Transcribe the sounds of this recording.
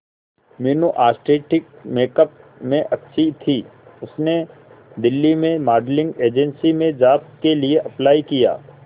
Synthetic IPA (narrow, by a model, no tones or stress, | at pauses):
mɪːnoʔaːsʈɾeːʈɪk̚meːkəp̚mẽʔɐtːʃʰit̪ʰiʊsne | d̪ɪlːimẽmaːɖlɪ̃ŋɡeːd͡ʒənsimẽd͡ʒaːpt̪̚kelieʔɐplaːikija̰ː